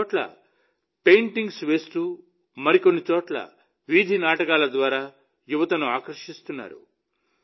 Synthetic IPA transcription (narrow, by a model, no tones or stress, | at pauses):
ʈlɐ̰ | pejɳʈiŋɡsʋe̞ːst̪uː | mɐɾikonːit͡ʃoːʈlɐ̰ | ʋid̪ʱinaːʈɐkaːlɐd̪ʋaːɾaː | juʋɐt̪ɐnuaːkɾɐʂist̪unːa̰ːɾṵ